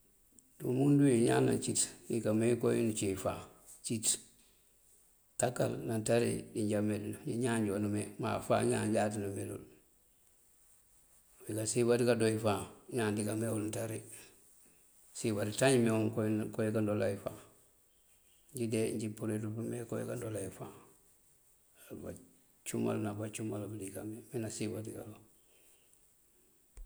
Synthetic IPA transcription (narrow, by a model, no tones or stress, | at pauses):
dumundujiɲa̰ːnːa̰t͡ʃitnikamekojḭnut͡ʃifa | t͡ʃit | takːa̰lnantaɾḭdiɲɟamedinɲiɲaːɲɟonumema̰fa̰ːɲa̰ːɲɟat̬inumelṵl | wikasibatikadoifaɲandiɡamewulntaɾi | sibaɾitaɲimeoŋkokojekandolajifa | ɲɟideɲɟipuɾitupumekojḛkandolaifa | ba̰ | t͡ʃuma̰lnabat͡ʃumalbulikameminasibatika̰lo